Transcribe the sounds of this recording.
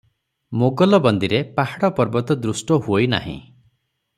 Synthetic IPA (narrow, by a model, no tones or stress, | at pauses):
moɡɔlɔbɔnd̪iɾepahaɽɔpɔɾbɔt̪ɔd̪ɾusʈɔɦuojna̰ɦḭ̃